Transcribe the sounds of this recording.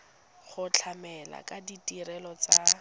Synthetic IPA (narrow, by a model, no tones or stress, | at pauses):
χʊt͡ɬʰamɛla̰kʼaditʼiɾɛlɔt͡sa